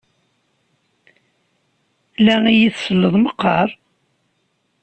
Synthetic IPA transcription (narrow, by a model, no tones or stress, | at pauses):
læŋijiθsəlːəðˤməqːɑɾˤ